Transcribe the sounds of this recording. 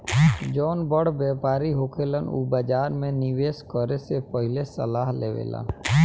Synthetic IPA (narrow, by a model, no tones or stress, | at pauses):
d͡ʒɔːnbəɽbjeːpaːɾiɦoːkʰeːlənṵbəd͡ʒaːɾmẽnɪʋeːskəɾesepəɦɪlesə̰laːɦleːʋḛːlə̰n